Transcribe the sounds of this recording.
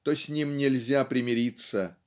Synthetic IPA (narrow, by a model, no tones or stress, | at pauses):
t̪osʲnʲimnʲɪlʲzʲapɾʲɪmʲɪɾʲit̪sə